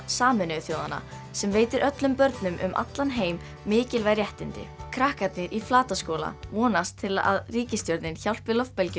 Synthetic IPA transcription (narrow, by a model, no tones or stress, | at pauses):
saːmʏnʏθjowða̰nːa̰ | sɛmveːjt̪ɪɾʔœt̪lʏmpœɾt̪nʏmʔʏ̰mʔa̰t̪lanɦeːjmː | ɪːcɪlvarjɛht̪ɪnt̪ɪ̰kʰɾahkat̪nɪɾʔiflaːt̪askoːwla̰vɔːnast̪ʰːɪla̰ðriːcɪst̪jɔwɾðɪnçawl̥pvɪlɔfpɛlcɪ